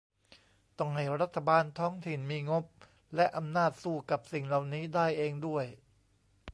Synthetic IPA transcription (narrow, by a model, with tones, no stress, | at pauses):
t̪ɔ˨˩ŋha˨˩ɾa˦˥t̪ʰːa˧baː˧nt̪ʰɔː˦˥ŋt̪ʰi˨˩nmiː˧ŋo˦˥p̚ | lɛ˦˥ʔa˧mnaː˥˩t̪̚suː˥˩ka˨˩p̚si˨˩ŋla˨˩wniː˦˥daː˥˩jʔeː˧ŋdu˥˩əj